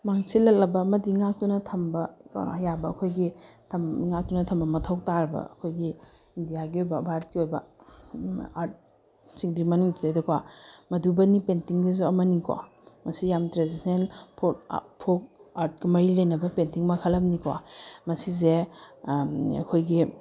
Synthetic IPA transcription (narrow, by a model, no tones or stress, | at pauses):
maŋsilɐk̚lɐbɐmɐdiŋak̚tunɐtʰɐmbɐkɐ̰jabɐːkʰojɡitʰɐmŋak̚tunɐtʰɐmbɐmɐtʰɐwk̚taɾbɐ̰ɐ̰kʰojɡi | indijaɡiojbɐbʱaɾt̚kiojbɐ̰ | aɾt̚ | siŋdɾimɐnuŋtʰizajdɐkʰwamɐdubɐnipentiŋdizuɐmɐnika̰ | mɐsijamtɾezisnenpʰopʰok̚aɾt̚kɐmɐɾilɐjnɐbɐpentiŋmɐkʰɐlɐmnikʰwa̰mɐsize | ɐ̰kʰojɡi